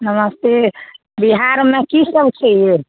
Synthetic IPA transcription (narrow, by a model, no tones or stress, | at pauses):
nəməst̪e | biɦaɾmekisəbt͡ʃʰɛje